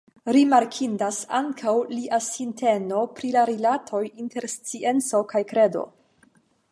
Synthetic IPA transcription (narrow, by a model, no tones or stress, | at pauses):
ɾimaɾkʰindasa̰ŋkʰawliʔasinte̞no̞pɾilaɾilatʰo̞jinte̞ɾst͡siʔe̞nt͡so̞kajkɾe̞do̞̰